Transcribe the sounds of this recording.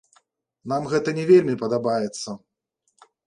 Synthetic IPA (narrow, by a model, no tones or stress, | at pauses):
namɣɛt̪ɐnʲɛvʲelʲmʲipɐd̪abajɛt̪sːɐ